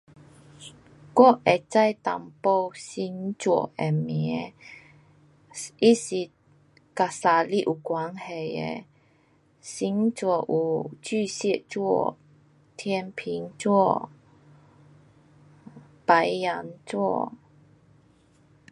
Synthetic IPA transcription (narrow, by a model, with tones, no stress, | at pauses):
kwɔ˥˧ʔʔɛ˨t͡sa˥˧˨jt̪a̰˨mpo˥˧wsi˧˥ŋt͡swɔ̰˧˩˨ʔɛ˨˩mi˨ɛ˦ | ʔi˦˥si˧˨ | ka˧˨sa˨˧li˦˥ʔu˨kwa˨˦ŋhe˨˩jɛ̰˨ | si˧˥ŋt͡swɔ˧˨ʔu˨t͡sy˥˧si˥˨ʔt͡swɔ˥˨ | t̪ʰjɛ˧npʰi˧˦ŋt͡swɔ˥˧ | pa˨˦ja˧˦nt͡swɔ˥˧